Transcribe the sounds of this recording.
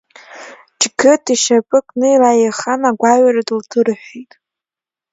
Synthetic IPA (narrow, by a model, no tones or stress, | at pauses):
d͡ʒɡɨtʰiʃapʼɨkʼnɨilajeχanaɡʷaɥaradɨltʰɨrħʷᶣitʼ